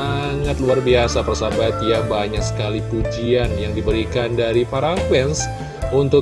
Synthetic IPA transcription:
a | ŋat̪luarbiasapərsabat̪jaŋbaɲaksə̥kalipud͡ʒianjaŋdibəɾikandaɾipaɾakwɛns | unt̪ʊ

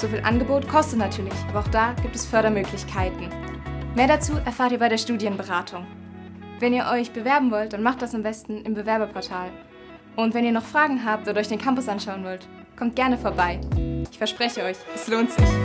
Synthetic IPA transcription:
z̥oːfiːlʔa̰nɡəboːtkʰɔstətnatʰyːɐlɪçʔaːbɐaʊxd̥aːɡ̥iːp̚tɛsfœɐɾɐmøːklɪçkʰaɪtn̩meːɐɾat͡suːʔɛɐfaːɐtiːɐbaɪɾeɐʃtuːdjənbəʁaːtʰʊŋ | vɛniːɐʔɔʏçb̥əvɛɐbm̩vɔlt̚d̥anmaχt̚d̥asambɛstn̩ɪmbəvɛɐbɐpʰɔɐtʰaːl | ʔʊntvɛniːɐnɔχfʁ̥aːɡŋ̩ɦaːp̚tʔoːdɔʏçd̥eːnkʰampʊsʔanʃaʊənvɔlt | kʰɔmt̚ɡ̥ɛɐnəfoːɐbaɪʔɪçfɛɐʃpʁ̥ɛçəɔʏçʔɛsloːntz̥ɪç

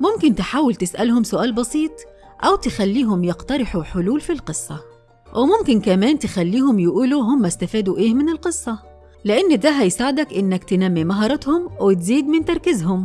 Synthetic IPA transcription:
mʊmkɪnt̪ɪħaːwɪlt̪ɪsʔælhʊmsʊʔæːlbɑsˤiːt̪ˤ | ʔæwt̪ɪxælːiːɦʊmjɑqt̪ɑɾɪħuħʊluːlfilqɨsˤːɑ | wʔɪmʊmkɪnkæmæːnt̪ɪxælːiːɦʊmjɪʔuːluɦʊmːæst̪æfæːd̪uʔeːhmɪnɪlqɨsˤːɑ | lɪʔɪnːd̪æɦæjsaːʕɪd̪ækʔɪnːækt̪ɪnæmːimɑɦɑːɾˤɑt̪hʊmwɪt̪ziːd̪mɪnt̪ɑɾˤkɪzɦʊm

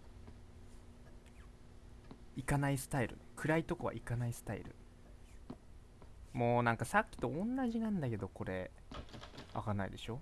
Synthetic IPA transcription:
ikanaisɨ̥t̪aiɾɯ̟̰kɯ̟ɾait̪o̞ko̞βa̰ʔikanaisɨ̥t̪aḭɾɯ̟̰ | moːnãŋkasakʲːi̥t̪o̞õnːaʑinãnd̪ake̞d̪o̞ko̞ɾe̞ | a̰kanaḭd̪e̞ɕo̞

